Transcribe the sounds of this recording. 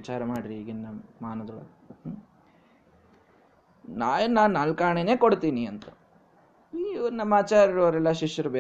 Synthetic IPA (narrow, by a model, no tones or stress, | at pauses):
it͡ʃaːɾɐmaːɽɾiiːɡinːɐmaːnɐd̪ɐɡɐɭ̰ | naːjnaːnnaːlkaːɳene̞ːkoɽt̪iːniɐnt̪ɐ | ʋɐɾnɐmːaːt͡ʃaːɾiɾoːɾɛlːɐʃiʃjɐɾube